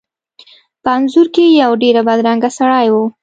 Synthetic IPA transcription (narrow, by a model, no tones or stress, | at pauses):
pəanzʊɾkejawɖeɾabad̪ɾaŋɡasaɽɑjwu